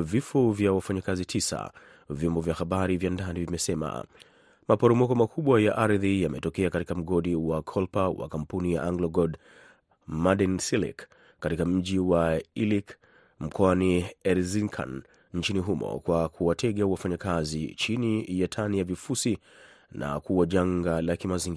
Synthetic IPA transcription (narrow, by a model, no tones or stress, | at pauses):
vifɔvjawafaɲakazitʰisa̰ | vjɔmbɔvjahaɓaɾivjandanivimɛsɛma̰ | mapɔɾɔmɔkɔmakʰuɓwajaʔaɾðijamɛtɔkɛakatikam̩ɠɔɗiwakʰɔlpawa̰kampunijaʔaŋɡlɔɡɔd | maɗɛnsilḭkː | atikam̩ʄiwailik | m̩kɔaniɛɾziŋkʰa̰n | n̩t͡ʃiniɦumɔ̰kwakʰuwatʰɛɠawafaɲakazḭt͡ʃinijatʰanijavifusi | na̰kuwaʄaŋɡalakimaziŋɡi